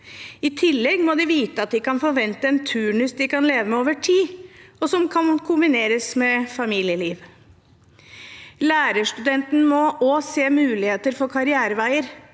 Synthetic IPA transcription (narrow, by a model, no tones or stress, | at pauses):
ɪt̪ʰɪlːɛɡmɔd̪ɪʋiːt̪əɑt̪̚d̪ɪkɑnfɔɾʋɛnt̪əɛnt̪ʰʉːɳʉsd̪ɪkɑnleːʋəmɛoːʋəʈʰiːɔsɔmkʰɑnkʰʊmbɪneːɾəsmɛfɑmiːlɪəliːʋ | læːɾəʂt̪ʉd̪ɛnt̪n̩mɔʔoːseːmʉːlɪheːt̪əɾfɔɾkʰɑɾɪæːɾəʋæɪəɾ